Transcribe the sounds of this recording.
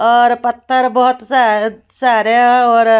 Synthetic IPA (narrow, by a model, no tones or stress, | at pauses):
ɔɾpɐt̪ʰːəɾbɔɦut̪sa | saɾjaɔɾ